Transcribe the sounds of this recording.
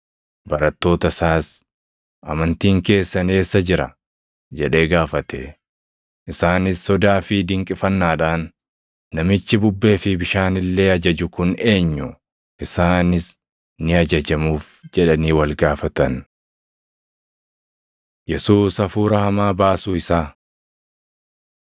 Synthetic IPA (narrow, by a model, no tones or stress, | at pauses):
bɐɾɐt̪ːo̞ːt̪ɐsaːs | ʔɐmɐnt̪iːŋke̞ːsːɐne̞ːsːɐd͡ʒɪɾɐ̰ | d͡ʒɛᶑe̞ːɡaːfɐt̪ʰɛ | ʔɪsaːnɪsːɔd̪aːfɪd̪ɪŋkʼɪfɐnːaːᶑaːnː | ɐmɪt͡ʃːɪbʊbːe̞ːfɪbɪʃaːnɪlːe̞ːɐd͡ʒɐd͡ʒʊkʊne̞ːɲːʊ | ʔɪsaːnɪs | nɪɐd͡ʒɐd͡ʒɐmuːf | d͡ʒɛᶑɐniːwɐlɡaːfɐt̪ɐn | jɛsuːsɐfuːɾɐhɐmaːbaːsuːɪsaː